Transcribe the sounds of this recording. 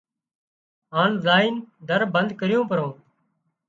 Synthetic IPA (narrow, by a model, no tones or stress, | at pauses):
ɦaːnzaːiːnd̪ʱəɾbənd̪ʱkəɾɪjõːpəɾõː